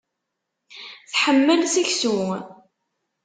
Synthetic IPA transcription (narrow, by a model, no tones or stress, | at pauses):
θħəmːəlsiçsu